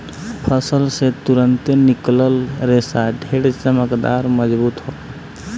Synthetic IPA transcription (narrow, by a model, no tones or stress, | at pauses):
pʰəsəlset̪uɾənt̪enikləlɾesaɖʱeɽt͡ʃəməkd̪a̰ɾməd͡ʒbut̪ɦo